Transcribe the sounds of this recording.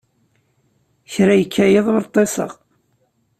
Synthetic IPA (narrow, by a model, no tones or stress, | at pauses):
çɾæjəkːæjeðˤoɾt̪ˤːesə̰ʁ